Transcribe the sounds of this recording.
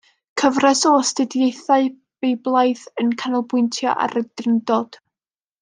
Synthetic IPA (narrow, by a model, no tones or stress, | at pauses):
kʰəvrɛsɔsd̥ɪdjejθaɨ | b̥ejblˠajθənkʰanɔlˠbʊɨntʰja̰ʔa̰rəd̥rɪndɔd̥